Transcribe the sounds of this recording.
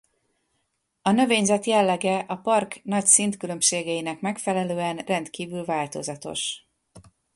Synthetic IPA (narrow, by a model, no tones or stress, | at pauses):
ɒnø̞veːɲzɛt̪jɛlːɛɡɛʔɒpɒrknɒcsint̪kylø̞mʃeːɡɛinɛkmɛkfɛlɛløːɛnrɛnt̪kiːvylvaːlt̪o̞̰zɒt̪o̞̰ʃ